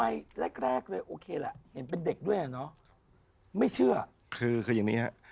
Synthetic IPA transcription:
ma˧jɾe˦˥˩k̚ɾɛː˥˩k̚lɤː˧jʔoː˧kʰeː˧la̰˨˩ʔhe˩˦np̬e˧nde˨˩k̚du˥˩əjʔa˨˩nɔ˦˥ | ma˥˩jt͡ɕʰɯ˥˩ɐ | kʰɯː˧kʰɯː˧ja˨˩ŋniː˦˥ha̰˦˥ʔ

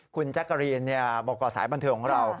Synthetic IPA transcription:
kʰu˧nt͡ɕa˦˥kːa˧ɾi˧nːi˥˩əbɔː˨˩k̚ːɔː˨˩saː˨˩˦jba˧nt̪ʰɤː˧kʰːɔː˩˦ŋɾa˧w

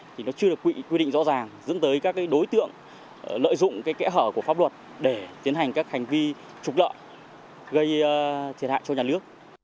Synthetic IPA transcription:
t̪ʰi˨˩nɔ˨˦t͡ɕɨ˧əɗɨ˨˩əkːwḭ˧˨kwi˧ɗḭ˧˨ŋzɔ̰˧˥zaː˨˩ŋzə̰˧˥nt̪əː˨˦jkaː˦˥k̚ːaː˨˦jɗo˨˦jt̪ɨ̰˧˨əŋ | lə̰ː˧˨jzʊ̰˧˨ŋ͡mkaː˨˦jkɛ̰˧˥ɦəː˧˩ku˧˩əfaː˦˥p̚lwə˨˩t̚ | ɗe˧˩t̪i˨˦ənha˨˩jŋ̟kaː˦˥k̚ha˨˩ŋ̟vi˧ | t͡ɕʊ˨˩k͡p̚lə̰ː˧˨j | ɣə˧jt̪ʰi˨˩ət̚a̰ː˧˨jt͡ɕɔ˧ɲaː˨˩nɨ˦˥ək̚

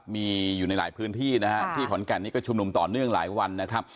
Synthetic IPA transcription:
miː˧juː˨˩na˧jla̰ː˩˦jpʰɯː˦˥nt̪ʰiː˥˩na˦˥kʰa˦˥t̪ʰiː˥˩kʰɔ˩˦nkɛ˨˩nːiː˦˥kɔː˥˩t͡ɕʰu˧mnu˧mt̪ɔː˨˩nɯ˥˩əŋla̰ː˩˦jwa˧nːa˦˥kʰɾa˦˥p̚

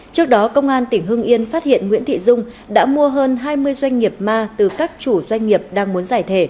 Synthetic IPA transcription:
t͡ɕɨ˦˥ək̚ɗɔ˨˦kə˧wŋ͡mʔaː˧nt̪ï˧˩ŋ̟ɦɨ˧əŋʔi˧ənfaː˦˥t̚hḭ˧˨ənŋwḭ˧˥nt̪ʰḭ˧˨zʊ˧ŋ͡m | ɗa̰ː˧˥mu˧əɦəː˧nɦaː˧jmɨ˧əjzwa˧jŋ̟ŋi˨˩əp̚maː˧t̪ɨ˨˩kaː˦˥k̚t͡ɕu˧˩zwa˧jŋ̟ːi˨˩əp̚ɗaː˧ŋmu˨˦ənzaː˧˩jt̪ʰe˧˩

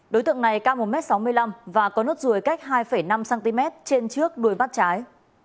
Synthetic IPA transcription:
ɗo˨˦jt̪ɨ̰˧˨əŋna˨˩jkaː˧wmo˨˩mɛ˦˥t̚sa˨˦wmɨ˧əjla˧mvaː˨˩kɔ˨˦no˦˥t̚zu˨˩əjka˦˥jk̚ɦaː˧jfə˧˩jna˧msaː˧nt̪i˧mɛ˦˥t̚t͡ɕe˧nt͡ɕɨ˦˥ək̚ɗu˨˩əjma˦˥t̚t͡ɕaː˨˦j

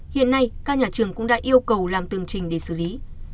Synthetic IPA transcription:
hḭ˧˨ənːa˧jkaː˧˥k̚ɲaː˨˩t͡ɕɨ˨˩əŋkʊ̰˧˥ŋ͡mɗa̰ː˧˥ʔi˧əwkə˨˩wlaː˨˩mt̪ɨ˨˩əŋt͡ɕï˨˩ŋ̟ɗe˧˩sɨ˧˩li˨˦

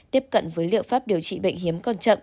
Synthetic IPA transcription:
t̪i˦˥əp̚kə̰˧˨nvəː˨˦jlḭ˧˨əwfaː˦˥p̚ɗi˨˩əwt͡ɕḭ˧˨ɓə̰˧˨jŋ̟ɦi˨˦əmkɔ˧˩nt͡ɕə̰˧˨n

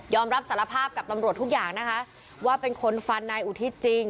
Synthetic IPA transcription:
jɔː˧mɾa˦˥p̚sa˩˦la˧pʰaː˥˩p̚ka˨˩p̚t̪a˧mɾt̪ʰːu˦˥k̚jaː˨˩ŋna˦˥kʰa˦˥ʔ | waː˥˩pe˧nkʰo˧nfa˧nːa˧jʔu˨˩t̪ʰi˦˥t͡ɕi˧ŋ

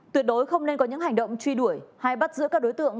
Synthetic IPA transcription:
t̪wi˧˩t̚ɗo˨˦jxə˧wŋ͡mne˧nkɔ˨˦ɲɨ̰˧˥ŋha˨˩ŋ̟ɗə̰˧˨wŋ͡mt͡ɕwi˧ɗu˧˩əjha˧jɓa˦˥t̚zɨ̰˧˥kaː˦˥k̚ɗo˨˦jt̪ɨ̰˧˨əŋ

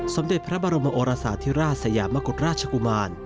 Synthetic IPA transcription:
so˩˦mde˨˩t̪̚pʰɾa˦˥baː˧ɾo˧mːa˧ʔoː˧ɾaː˧saː˨˦t̪ʰi˦˥ɾaː˥˩t̚sa˨˧˦jaː˨˦mːa˦ku˨˩t̪̚ɾaː˥˩t̚t͡ɕʰa˧ku˧maː˧n

